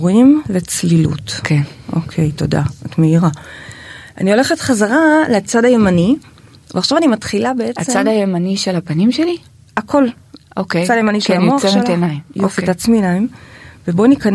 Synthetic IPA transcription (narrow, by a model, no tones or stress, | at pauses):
ʁimlet͡slilṵtkʰenʔokʰejto̞da̰atmeiʁa | a̰nio̞leχetχazaʁalet͡sadaje̞mani | veaχʃavanimatχilabe̞eat͡set͡sad̪ajemaniʃelhapɐnimʃeli | akʰo̞l | ʔokejt͡sadajemaniʃelanmoaχmtenajmjofitat͡sminaimveboanikan